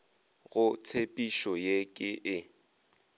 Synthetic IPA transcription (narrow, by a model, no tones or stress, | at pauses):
ɣʊt͡sʰepʼiʃɔjekʼɪʔɪ